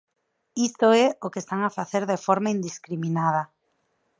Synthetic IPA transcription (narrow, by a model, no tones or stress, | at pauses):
ist̪oɛokest̪aŋafaθeɾðefɔɾmaind̪iskɾiminað̞ɐ